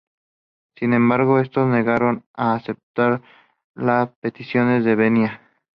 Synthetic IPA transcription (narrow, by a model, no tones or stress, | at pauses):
sinẽ̞mbaɾɣo̞e̞st̪ozne̞ɣaɾo̞naːsep̚t̪aɾ | laspe̞t̪isjo̞ne̞zðe̞βenja